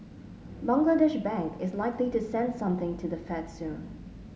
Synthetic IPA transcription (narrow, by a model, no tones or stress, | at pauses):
bʌ̃ŋɡlədɛʃbæ̃ŋkʰɪzlaɪkliɾɨsɛ̃nd̥sʌ̃mθɪ̃ŋtʰɨðɨfɛdsʉ̃n